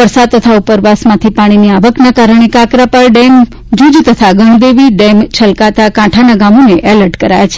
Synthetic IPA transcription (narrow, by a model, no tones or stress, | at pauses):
ʋəɾsad̪̚t̪ːət̪ʰaupəɾʋasmãt̪ʰipaɽ̃iniaʋəknakaɾəɳ̃ekakɾapəɾɖɛm | d͡ʒud͡ʒt̪ət̪ʰaɡəɳ̃d̪eʋiɖemt͡ʃʰəlkat̪akãʈʰanaɡamoneʔɛləɾʈkəɾajat͡ʃʰe̥